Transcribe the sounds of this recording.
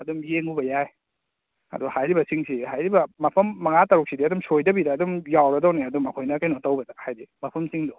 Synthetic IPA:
ɐdumjeŋubɐjaj | ɐ̰duhajɾibɐsiŋsihajɾibɐmɐpʰɐmːɐŋatɐɾuk̚sidiɐdumsojdɐbidaːdumjawɾɐdawneɐdumɐkʰojnɐkajnotawbɐdɐk̚hajdimɐpʰɐmsiŋdo

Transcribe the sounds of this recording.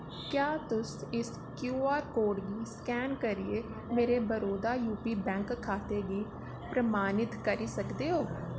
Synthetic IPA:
kjaːt̪ʊsɪs | kjuːaːɾkoːɖɡiːskɛːnkəɾie | meːɾebəɾoːd̪aːjuːpiːbɛ̃ːŋkʰːaːt̪eːɡiː | pɾəmaːnɪt̪kəɾiːsəkd̪eːɦoː

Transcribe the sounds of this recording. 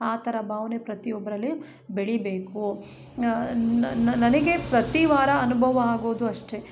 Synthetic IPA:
aːt̪ʰɐɾɐbʱaːʋɐnepɾɐt̪iɔbɐɾɐlːi | beɭibeːku | nɐnɐnɐɡe̞pɾɐt̪iʋaːɾɐɐnubʱɐʋɐaːɡoːd̪uɐʂʈe̞

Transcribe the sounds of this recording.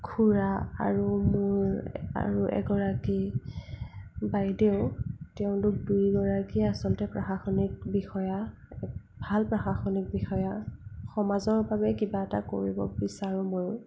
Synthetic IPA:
kʰuɹaa̰ɹumʊɹa̰ɹuʔɛ̰ɡɔɹaki | bajdeʊtɛʊ̃tʊk̚dujɡɔɹakiasɔlɔtɛpɹaxaxɔnik̚bixɔja | ɛ | bʱalpɹaxaxɔnik̚bixɔjaxɔmazɔɹbabɛkibaɛta̰ko̰ɹibɔbisaɹʊmoj

